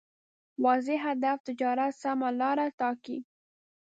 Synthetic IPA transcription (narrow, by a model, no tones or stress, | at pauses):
wɑzɪɦad̪aft̪ɪd͡ʒɑɾat̪samalɑɾat̪ɑkḭ